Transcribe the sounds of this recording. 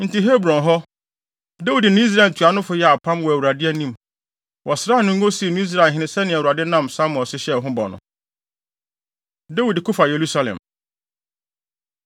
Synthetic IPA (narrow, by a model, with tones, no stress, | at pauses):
n̩˨ti˨ɦe˦bɾɔ̃˨nɦɔ˦ | de˦wi˨dɪ˨nʊ̃˦i˦s̬ɾa˨n˨tʰu˨a˨nʊ̃˦fʊ˨˦jɛ˦a˨pʰã˦mwɔ˨æ˨u˨ɾa˨dɪ˦æ˦nĩ˦m | wʔɔ˨sɾaː˦˨nʊ̃˦ŋ̩˦ɡo˦si˨˦˨nʊ̃˦i˦s̬ɾa˦˨ɦɪ̃˨˦nɪ̃˨sɛ˦nɪ̃˨wu˨ɾa˨dɪ˦nã˦msa˦m˨ɔ̃˨sɪ˦ɕɛ˦˨ɦʊ̃˦bɔ̰˨nʊ̰̃˨ | da˦wi˨dkʰʊ˦fa˨je˨ɾu˦sa˦lɛ̰̃˨m